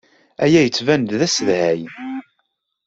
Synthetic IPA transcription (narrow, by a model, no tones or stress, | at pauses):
æjæjət͡sːvænd̪ðæsəðhæj